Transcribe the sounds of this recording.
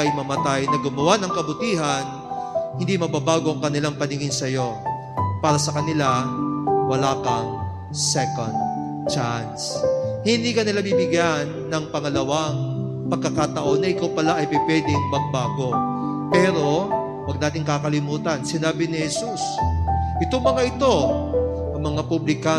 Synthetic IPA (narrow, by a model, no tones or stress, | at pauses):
kɐjmɐmɐt̪ajnɐɡʊmɐwanɐŋkɐbʊt̪iːɦɐn | hɪnd̪imɐbabaːɡo̞ʔɐŋkɐnɪlaŋpɐnɪŋɪnsɐjo̞ | paːɾɐsɐkɐnɪla | wɐlaːkɐŋ | sɛko̰nd̪̚ | t͡ʃanshɪnd̪iːkɐnɪlabibɪɡjanːɐŋpɐŋɐlɐwaŋ | pɐɡ̚kːɐkaːt̪ɐʔo̞nːɐʔɪkawpɐlaʔɐjpɪpwɛːd̪ɪŋmɐɡ̚baːɡo̞ | pɛːɾo̞ | wɐɡ̚naːt̪ɪŋkakɐlɪmuːt̪ɐnsɪnaːbɪnɪhɛsusʔɪt̪oŋmɐŋaʔɪt̪o̞ | ʔɐŋmɐŋapublɪka